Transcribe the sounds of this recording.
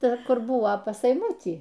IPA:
ˈtɐ ˈkʊr ˈbʊʋoː pɐs ɛɪˈmʊtʲiː

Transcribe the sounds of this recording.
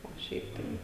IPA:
oː ˈʃʲɛɪp tɐɪ

